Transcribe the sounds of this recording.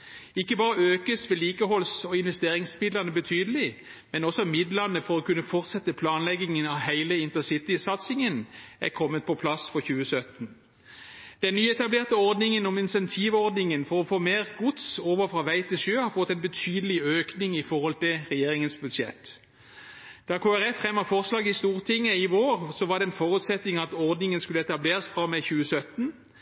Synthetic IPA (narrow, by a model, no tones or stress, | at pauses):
ɪkːəbɑːɾəøːkəsʋɛːliːkəɦɔlsɔɪnʋɛst̪eːɾɪŋsmɪd̪lənəbət̪ʰyːd̪əlɪ | mɛnɔsɔmɪd̪lənəfɔɾɔkʉnːəfɔʁt̪sɛt̪ːəpʰlɑːnlɛɡɪŋənɑʋhæɪləɪnt̪əsɪt̪ɪsɑt̪sɪŋənæ̰kʰɔmːət̪̚pʰɔpʰlɑsfɔçʉːəsœt̪n̩ | d̪̥ɛnnːyːɛt̪ɑbleːʁt̪əɔʁd̪nɪŋənɔmɪnsɛnt̪ʰiːʋɔʁd̪nɪŋənfɔʁɔfoːmeːʁɡʊt̪soːʋəfʁɑːʋæɪt̪ʰɪlʃøːhɑfɔt̪ːɛɪnbət̪ʰyːd̪əlɪøːknɪŋɪfɔɾʁhɔlt̪ɪlʁɛjeːɾɪŋənsbʉd̪ʃjɛ̰t̪ː | d̪̥ɑkʰoːæʁɛfʁɛmːəfɔʁslɑːɡɪst̪uːʁt̪ʰɪŋːəɪʋoːʁsɔʋɑd̪ɛɛnfɔɾʉt̪sɛt̪ːɪŋɑt̪ɔʁd̪nɪŋənskʉləɛt̪ɑbleːʁəsfʁɑmːɛçʉːəsœt̪n̩